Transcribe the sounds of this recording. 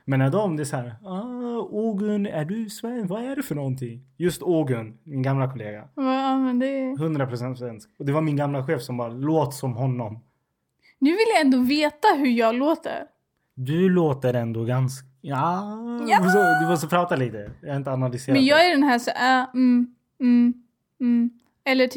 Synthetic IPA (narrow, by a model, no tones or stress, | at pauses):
mɛːnːaɖd̪ɔmd̪ɛshæːɾɑuːɡɵnæɖɵsvɛnːvaæɖɛfœɳɔnt̪ʰɪŋːjɵst̪uːɡɵnmɪnɡamlakʰɔleːɡa̰mɛnd̪ɛɦɵnd̪ɾapʰɾʊsɛnt̪svɛnskɔd̪ɛvaɾmɪnɡamlaɧeːfsɔmbɑːɾaloːt̪sɔmɦɔnːɔm | nʉ̟ːvɪljaɛnd̪oːveːt̪aɦɵɾjɑːɡloːt̪ə̰ɾ | d̪ɵloːt̪əɾɛnd̪oɡansk | aː | s̬ɔd̪ɛfɔsɔpʰɾɑːt̪aliːt̪əjɑhaɾɪnt̪əanalʏseːɾmɛanjɑːɡæɖɛnɦæːʂɔa | ɛlːəʈʰ